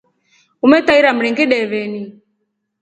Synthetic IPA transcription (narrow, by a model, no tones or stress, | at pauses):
umɛt̪aiɾam̩ɾiŋɡiɗɛβɛni